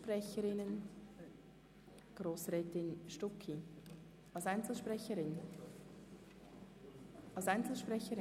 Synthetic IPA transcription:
prɛçəɾɪnən | ɡ̥roːsʁɛːtɪnʃtʊkʰi | ɑlsaɪnt͡sl̩ʃpɾɛçəɾɪn | ʔɑlsaɪnt͡sl̩ʃpʁɛçəɾɪ

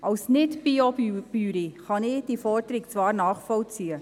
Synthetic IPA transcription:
ʔɑwsnɪtb̥iob̥yːɾiχɑnɪd̥ifɔrdəɾikt͡svɑːrnɑːχfɔlt͡siːə

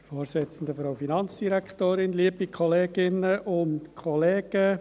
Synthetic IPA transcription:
foːɾsɪt͡sən̩d̪əfɾaʊfinɑnt͡sd̥iɾækt̪oːɾɪnliːbikʰɔleːɡ̥ɪnəʔʊntkʰχɔleːɡ̥ə

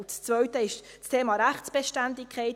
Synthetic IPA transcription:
st͡svœɥtəɪʃ | t͡stʰeːmɑɾæχt͡sb̥eʃtændɪkʰɛɪt

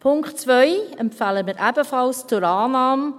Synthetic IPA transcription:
pʰʊŋktt͡svœʏɛmpfaləmɪɾʔɛbəfɑlst͡sʊɾaːnaːm

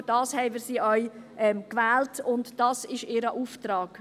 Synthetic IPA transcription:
d̥ɑːshɛɪmɪːɾsiːʔœʏʔɛmkʋɛːltʊntd̥ɑsɪʃɪːɾəʔuːftɾɑːɡ̥

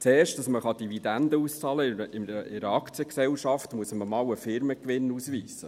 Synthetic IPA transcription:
t͡seːrʃtd̥ɑsməχɑd̥ivid̥̪ændəuːst͡sɑləɪəʔɪəɪɾəɑkt͡siəksɛwʃɑftmuəsəməmɑːwəfɪɾməkʋɪnuːsʋiːsə

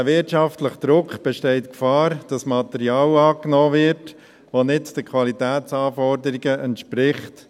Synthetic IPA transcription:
əʋɪɾtʃɑftləχəd̥̪ɾʊkχb̥ɛʃtɛɪtkfɑːɾd̥ɑsmɑt̪ɛɾiɑːlɑːknɔːvɪɾt | ʋonɪtd̥əkʰʋɑlitæːtsɑːfɔɾdəɾiɡəʔɛntʃpɾɪχt

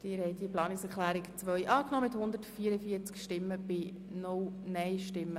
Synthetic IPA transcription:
d̥ɪːɾhɛɪdiəplɑːnɪksɛɾχlæːɾɪkt͡sʋœʏʔɑːknɔːmɪthʊnd̪əɾtfiəɾəfiət͡skʃtɪmːəb̥ɪ | nʊlnɛɪʃtɪmːə

